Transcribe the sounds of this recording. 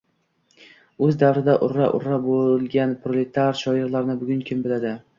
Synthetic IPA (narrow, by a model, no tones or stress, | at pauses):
ɵzd̪avɾɪd̪aʔʊɾːa̰ʔʊ̰ɾːabolˠɡʲanpʰɾolet̪ʰaɾʃɒɪɾlaɾnɪbʊɡʲʊŋkʲʰɪmbɪlad̪ɪ